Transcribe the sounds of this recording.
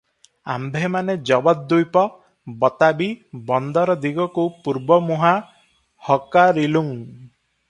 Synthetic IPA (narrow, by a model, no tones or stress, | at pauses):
a̰mbʱemaned͡ʒɔbɔt̪̚d̪ujpɔ | bɔt̪abibɔnd̪ɔɾɔd̪iɡɔkupuɾbɔmuɦa | hɔkaɾiluŋ